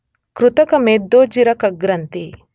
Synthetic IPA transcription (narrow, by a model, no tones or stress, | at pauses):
kɾut̪ɐkɐmeːd̪ːoːd͡ʒiɾɐkɐɡɾɐnt̪i